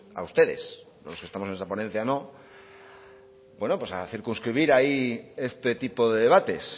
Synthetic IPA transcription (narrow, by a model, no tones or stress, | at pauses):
a̰ust̪e̞ðe̞̰s | ðelokest̪amoenesaponẽ̞n̟θjano̞ | bwe̞nopwe̞sa̰θiɾkunskɾiβ̞iɾaie̞st̪e̞t̪ipo̞ðe̞ðe̞βat̪e̞s